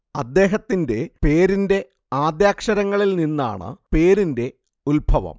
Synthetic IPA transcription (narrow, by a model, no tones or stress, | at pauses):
ɐd̪ːe̞ːɦɐt̪ːinde̞pe̞ːɾinde̞ | aːd̪jaːkʂɐɾɐŋːɐɭilninːa̰ːɳɨ̰pe̞ːɾinde̞ | ulbʱɐʋɐ̰m